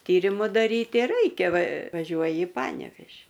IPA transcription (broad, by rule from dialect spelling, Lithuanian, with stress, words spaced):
ˈtʲiːrʲɪmʊ dɐˈrʲiːtʲɪ ˈrɐɪkʲɛ ʋɐ ʋɐˈʒʲuɔjɪ ɪ ˈpɑːnʲɛʋʲeːʒʲɪ